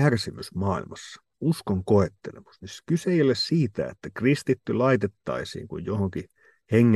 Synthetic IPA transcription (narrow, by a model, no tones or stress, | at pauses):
ærsimysmɑːḭlmɑsːɑ̥ | uskoŋkoet̪ːelḛmɑ̥sniskyseˑijolessiːt̪æ̰ḛt̪ːækrist̪it̪ːylɑit̪et̪ːɑ̰isḭːŋkṵjjohoŋki | heŋːe